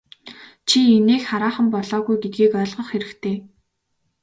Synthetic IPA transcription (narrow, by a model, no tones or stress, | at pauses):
t͡ɕʰieneːxχaɾaːχə̆mpɔɮɔːɣujɡet̪̚ɡiːkœːɮʁə̆χxeɾɘ̆kt̪ʰeː